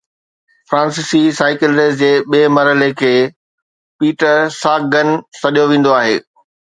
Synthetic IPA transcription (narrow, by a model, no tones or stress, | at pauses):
fɾãːnsɪsisaːɪkɪlɾɪsd͡ʑeːɓeːmɐɾəlekʰeː | piːʈəɾsaːk̚ɡɐnsɐɗijoʋẽːn̆d̪oaːɦeː